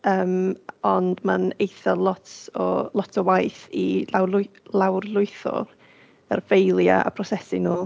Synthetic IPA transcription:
əːmɔndmanejθɛlˠɔtʰɔlˠɔtʰɔwajθiawlˠawrlˠʊɨθɔ̰ | ə̰rvejlˠja̰a̰pʰrɔsɛsɪnuː

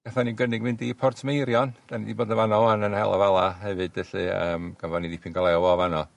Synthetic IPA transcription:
ɡ̥aθaniɡənɪɡmɪndipʰɔrtʰmejɾjɔnd̥anidiboːdəvanɔanənhɛ̰lˠa̰valˠaɦɛvɨd̥vɛɬiə̰ːmɡ̥avanidipʰinɡɔlˠɛɔwɔvanɔ

